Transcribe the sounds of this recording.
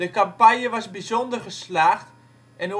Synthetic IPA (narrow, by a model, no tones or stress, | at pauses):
dəkampajjəʋɑzbizondərχəslaːχt | ɛno